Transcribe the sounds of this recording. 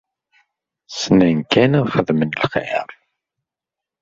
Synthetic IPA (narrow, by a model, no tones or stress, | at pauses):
snænkænæðχəðmənəlχḛɾˤ